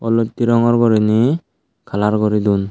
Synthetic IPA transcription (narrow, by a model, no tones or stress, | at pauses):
ɔlɔt̪ːiɾɔŋɔɾɡɔɾini | kʰalaɾɡɔɾid̪un